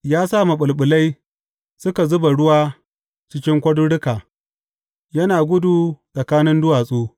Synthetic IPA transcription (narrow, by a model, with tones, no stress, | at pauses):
jaː˦sa˦˨mɐ˨ɓʊ˨lɓʊ˨la˦j | sʊ˦ka˨zʊ˦ba˨ɽʊ˦waː˦ | t͡ʃɪ˦kʲɪ˦ŋkʷɐ˦dʊ˦ɽɪ˦kaː˨ | jɐ˦naː˨ɡʷʊ˦du˨sʼɐ˨kaː˦nɪ˦ndʊ˦waː˨sʼuː˦